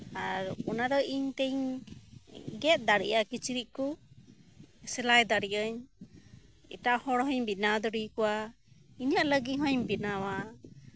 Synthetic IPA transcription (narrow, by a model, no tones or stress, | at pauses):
aɾɔnaɾɔiɲt̪ɛɲ | ɡɛt̪̚d̪aɽḭʔakit͡ʃiɾiʔ̚kɔ | sɛlajd̪aɽiʔəɲ | ɛ̰ʈaʔhɔɽɦɔɲbinad̪ɔɽikɔwa | inijaʔləɡiɦɔɲbinawa